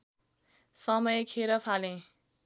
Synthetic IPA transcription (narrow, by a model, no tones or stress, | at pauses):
sʌmʌjekʰeɾʌpʰalẽ